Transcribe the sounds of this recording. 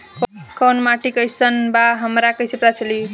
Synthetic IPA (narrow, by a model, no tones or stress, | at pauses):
kənmaʈikəjsənbaɦəmɾakəjsepɾat͡ʃʰəli